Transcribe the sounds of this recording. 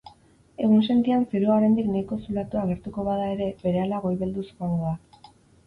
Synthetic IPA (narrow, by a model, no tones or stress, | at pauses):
e̞ɣ̞unse̞nt̪iansiɾoaɾe̞nd̪iknajko̞sulat̪uaɣe̞ɾt̪uko̞βaðae̞ɾe̞be̞ɾe̞alaɣ̞o̞jβe̞ld̪uskoaŋɡoa